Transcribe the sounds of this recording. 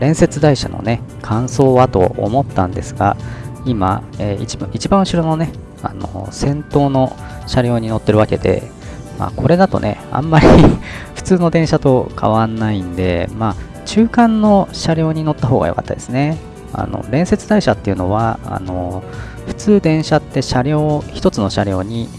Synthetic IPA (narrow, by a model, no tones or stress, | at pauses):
ɾẽ̞ɰ̃se̞t͡sɨd̪aiɕa̰no̞̰ne̞kʰãɰ̃so̞ːβat̪o̞̰o̰mo̞t̪ːãnd̪e̞sɨɡa̰ima̰eːit͡ɕiit͡ɕibãɰ̃ɯ̟ɕiɾo̞no̞ne̞ | a̰no̞̰sẽ̞nt̪o̞ːno̞ | ɕaɾʲjo̞ːɲ̟ino̞t̪ːe̞ɾɯ̟βake̞d̪e̞̰ | ma̰ːkʰo̞ɾe̞d̪at̪o̞̰ne̞̰ã̰mːaɾʲiɸɯ̟̥t͡sɨːno̞d̪ẽ̞ɰ̃ɕat̪o̞kʰa̰β̞ãnːaĩnd̪e̞ma | t͡ɕɨːkãnːo̞ɕaɾʲo̞ːɲ̟ino̞t̪ːaɦo̞ːɡa̰jo̞ka̰t̪ːa̰d̪e̞sɨne̞ | a̰no̰ɾẽ̞ɰ̃se̞t͡sɨd̪aiɕat̪ːe̞iɯ̟noβaa̰no̞ | ɸɯ̟̥t͡sɨːd̪ẽ̞ɰ̃ɕat̪ːe̞ɕaɾʲo̞ːçi̥t̪o̞t͡sɨno̞ɕaɾʲo̞ːɲ̟i